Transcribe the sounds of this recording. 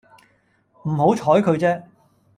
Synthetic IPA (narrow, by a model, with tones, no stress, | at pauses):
m̩˨˩ho˨˥wt͡ʃʰɔː˨˥jkʰɵ˨˧ɥt͡sɛː˥